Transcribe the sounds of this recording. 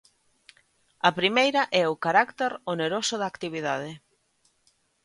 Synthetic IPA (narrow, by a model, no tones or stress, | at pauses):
ɐpɾimejɾɐʔɛʊkaɾakt̪eɾoneɾosʊðakt̪iβ̞iðað̞ɪ